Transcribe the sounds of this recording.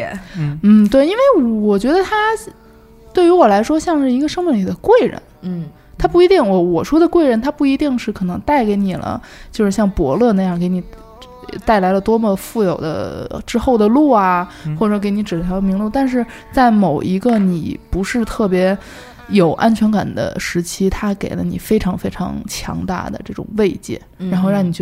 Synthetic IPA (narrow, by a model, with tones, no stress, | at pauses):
n̩˥˩t̪we˥˩ɪi˥nwe˥˩ɪwɔ˨˩t͡ɕɥɛ˧˥d̪ə˧t̪ʰa˥ | t̪we˥˩ɪy˧˥wɔ˨˩la˧˥ɪʂwɔ˥ɕjɑ˥˧ŋʂɻ̩˥˩i˧˥ɡə˧ʂɤ˥ŋmɛ˥˩nli˨˩d̪ə˦kwe˥˩ɪɻə̰˧˥n | t̪ʰa˥pu˥˩i˧˥t̪i˥˩ŋwɔ˧˥wɔ˨˩ʂwɔ˥d̪ə˨kwe˥˩ɪɻə˧˥nt̪ʰa˥pu˥˩i˧˥t̪i˥˧ŋʂɻ̩˥˩kʰɤ˨˩nɤ˧˥ŋt̪a˥˩ɪke˧˥ɪni˨˩lə̰˦ | t͡ɕjo˥˧ʊʂɻ̩˥˧ɕjɑ˥˩ŋpwɔ̰˧˥lɤ˥˧na˥˧jɑ˥˩ŋke˧˥ɪni˨˩ | t̪a˥˩ɪla˧˥ɪlə˧t̪wɔ˥mə˧fu˥˩jo˨˩ʊd̪ə̰˦ʈ͡ʂɻ̩˥xo˥˩ʊd̪ə˩lu˥˩ɐ˩ | xwɔ˥˩ʈ͡ʂɤ˧˥ke˧˥ɪni˧˥ʈ͡ʂɻ̩ʰ˨˩jɑ˧˥ʊmi˧˥ŋlu˥˧t̪a˥˧nʂ̬ɻ̩˥˧ | t͡sa˥˩ɪmo˨˩ʊʔi˧˥ɡə˧ni˨˩pu˧˥ʂɻ̩˥˧t̪ʰɤ˥˩pjɛ˧˥ | jo˨˩ʊʔa˥nt͡ɕʰɥɛ˧˥nka̰˨˩nd̪ə̰˦ʂɻ̩˧˥t͡ɕʰi˥t̪ʰa˥kḛ˨˩ɪlə̰˦nḭ˨˩fe˥ɪʈ͡ʂʰɑ˧˥ŋfe˥ɪʈ͡ʂʰɑ̰˧˥ŋt͡ɕʰjɑ̰˧˥ŋt̪a̰˥˩d̪ə̰˩ʈ͡ʂɤ˥˩ʈ͡ʂʊ̰˨˩ŋwe˥˧ɪt͡ɕjɛ̰˥˩ɻa˧˥nxo˥˧ɻɑ˥˩ŋni˨˩˥